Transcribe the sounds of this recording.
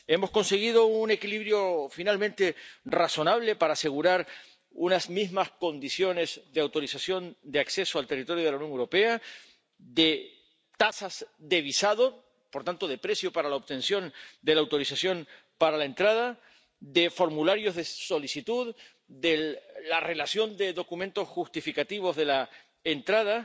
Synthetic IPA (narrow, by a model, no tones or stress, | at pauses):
e̞mo̞sko̞nse̞ɣ̞ið̞o̞une̞kiliβɾjo̞finalmẽnt̪e̞raso̞naβ̞le̞paɾaːse̞ɣ̞uɾaɾ | unazmizmasko̞nd̪isjo̞ne̞zðeawt̪o̞ɾisasjo̞nd̪eakse̞soalt̪erit̪o̞ɾjoð̞elaunjo̞ŋewɾo̞pe̞a | d̪e̞ | t̪asazðe̞β̞isaðo̞ | po̞ɾt̪ant̪o̞ð̞e̞pɾe̞sjo̞paɾalaoβt̪e̞nsjo̞nd̪e̞laːwt̪o̞ɾisasjo̞n | paɾalaent̪ɾaða | d̪e̞fo̞ɾmulaɾjo̞zðe̞so̞lisit̪uð | ðe̞ːare̞lasjo̞nd̪e̞ðo̞kumẽnt̪o̞sxust̪ifikat̪iβ̞o̞zðe̞la | ent̪ɾað̞a